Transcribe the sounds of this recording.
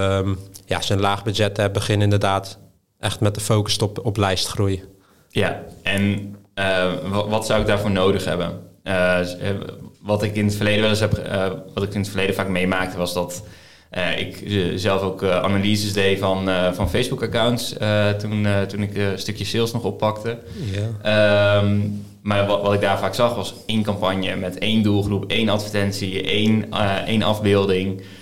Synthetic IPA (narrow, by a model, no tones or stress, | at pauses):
əmja̰sənlaːχbyd͡ʒɛtɛbəχɪnɪndərdaːt | ʔɛxtmɛt̚dəfoːkəstɔpɔplɛjstχrujə | jaʔɛnəʋɔtsawɪɡ̚daːɹvoːɹnowdəχɦɛ̰bə̰ | ʋɑtɪkɪnətfərlejdəʋɛlˠəsɦɛpəʋɑtɪkɪnətfərlejdəfaːkmejmaːk̚təʋɑsdɔt | ʔəɪ̰kzɛlˠfokʔa̰naliːzəsdejfɔnfɔnfejzbukakawntsətuntunɪkstøkjəsɪlˠsnɔxopːɑktə | əm | marʋɔtɪɡ̚daːrfaːksɑxʋɑs | ejnkampanjəmɛteːndulˠxrupejnatfərtɛnsiejnʔḛnʔɑ̰vbɪːlˠdɪŋ